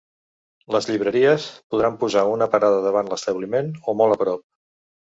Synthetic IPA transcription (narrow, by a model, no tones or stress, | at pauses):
ləzʎiβɾəɾiəspuðɾampuzaunəpəɾaðəðəβ̞anləst̪əβlimenomɔlˠəpɾɔp̚